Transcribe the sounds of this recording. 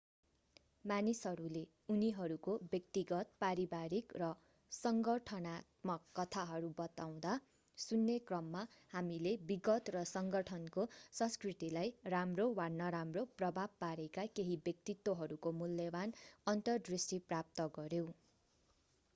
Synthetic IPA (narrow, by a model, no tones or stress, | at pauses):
manisɦʌɾule | uniɦʌɾukobjʌk̚t̪iɡʌt̪̚paɾibaɾikrʌ | sʌŋɡʌʈʰʌnat̪mʌkːʌt̪ʰaɦʌɾubʌt̪aw̃d̪a | sunːekrʌmːahamilebiɡʌt̪rʌsʌŋɡʌʈʰʌnkosʌ̃nskrit̪ilajramrowanʌɾamroprʌbʱab̚paɾekakeɦibjʌk̚t̪it̪ːwoɦʌɾukomulːjʌbanʌnt̪ʌrd̪risʈiprap̚t̪ʌɡʌɾjew